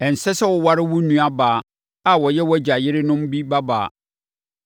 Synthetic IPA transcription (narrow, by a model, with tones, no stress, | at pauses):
ɛ˨n̩˨sɛ˦sɛ˦wɔ˨wa˦ɾɪ˦wʊ˦nũ˦a˦baː˨ | a˨wɔ˨jɛ˦wɔ˦d͡ʑa˨jɪ˦ɾɪ˦nʊ̃˦mbi˦ba˦ba̰ː˨